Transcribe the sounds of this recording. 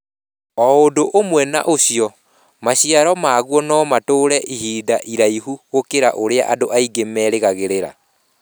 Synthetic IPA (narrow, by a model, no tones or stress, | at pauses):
ɔondoʔomwɛna̰ʔoɕiɔ | maɕiaɾɔmaːɣwɔnɔmatoːɾɛʔihiːdaʔiɾaiɦuɣokeɾa̰ʔoɾea̰ʔadoʔaiɡemɛːɾeɣaɣeɾeɾa̰